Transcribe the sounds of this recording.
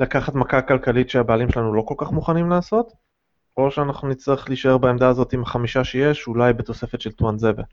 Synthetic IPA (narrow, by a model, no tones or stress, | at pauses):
lakaχat̪makakalkalitʃeabaːlimʃelanulo̞ko̞lkaχmuχanimlaːso̞t̪ | o̞ʃeanaχnunit͡slaχliʃae̞ʁbaemd̪aːzo̞t̪imaχamiʃaʃeje̞ʃulajbet̪o̞se̞fe̞t̪ʃe̞lt̪wanzeve